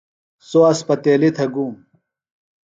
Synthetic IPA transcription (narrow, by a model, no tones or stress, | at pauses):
soɐspɐt̪eːlit̪ʰɐɡuːm